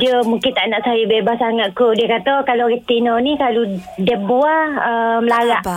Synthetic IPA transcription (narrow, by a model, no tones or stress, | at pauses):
d͡ʒəmuŋkɪnt̪aʔnaʔsajəbebasaŋaʔ̪̚koʔdiəkat̪akalokit̪inɔnikaludɛbuaəmlaɾaʔ